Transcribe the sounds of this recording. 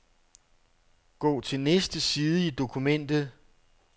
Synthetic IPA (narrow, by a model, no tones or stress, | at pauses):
ɡ̥ɔ̰ːt͡sʰe̝lnesd̥əsiːð̞ˠəid̥o̝kʰumen̰d̥ð̩ˠ